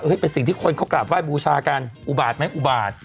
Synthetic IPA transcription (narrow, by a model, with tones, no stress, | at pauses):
ʔɤː˦˥˩jpe˧nsi˨˩ŋt̪ʰiː˥˩kʰo˧nkʰa˦˥wkla˨˩p̚waː˥˩jbuː˧t͡ɕʰaː˧ka˧nʔuː˨˩baː˨˩t̪̚ma˦˥jʔu˨˩baː˨˩t̪̚